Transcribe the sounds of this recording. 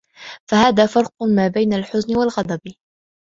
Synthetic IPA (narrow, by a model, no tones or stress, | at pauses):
fahaːðaːfɑɾˤqʊmaːbajnalħʊznɪwalɣɑd̪ˤɑb